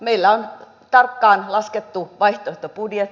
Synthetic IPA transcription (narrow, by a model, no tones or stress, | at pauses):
meilːæon | t̪ɑrkːɑːnlɑsket̪ːuʋɑiht̪oehʲt̪opudjet̪ː